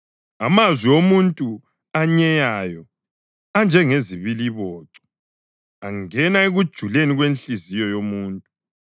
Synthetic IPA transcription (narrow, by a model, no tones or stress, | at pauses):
amazwiomuntʼu | aɲɛjajɔ | and͡ʒʱɛŋeziβiliβɔːǀɔ | aŋɛnaeɣud̥ʒ̥ʱuleniɣwenɬizijɔjomuːntʼu